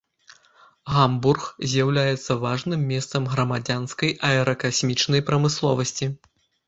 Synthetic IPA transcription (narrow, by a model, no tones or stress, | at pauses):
ɣamburxzʲjawlʲajɛt̪sːɐvaʐnɨmːʲɛst̪sɐmɣɾɐmad͡zʲanskɐjʔɐɛɾɐkasʲmʲit͡ʂnɐjpɾɐmɨslˠɔvɐsʲt͡sʲi